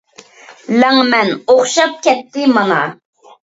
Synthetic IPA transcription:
laŋmænoχʃap̚kap̚t̪ːɪmaŋɑ

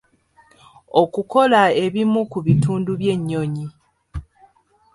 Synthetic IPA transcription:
o̞kuko̞lae̞βimukuβituːnduβje̞ɲːo̞ɲi

